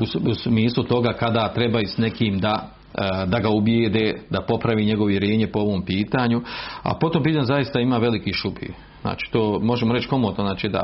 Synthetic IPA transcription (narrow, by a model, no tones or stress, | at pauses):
ususmiːslˠut̪o̞ɡaːkad̪at̪ɾebajisne̞kiːmd̪a | d̪aɡaubjeːd̪eːd̪apo̞pɾaʋiːɲe̞ɡooʋjeɾje̞ːɲepoo̞ʋo̞ːmpiːt̪aːɲua̰pot̪ompiːt̪anuzajist̪aimaːʋe̞likiʃupḭː | za̰ːt͡ʃi̥ːt̪oːmo̞ʒemoɾet͡ʃko̞mot̪noznaːt͡ʃid̪a̰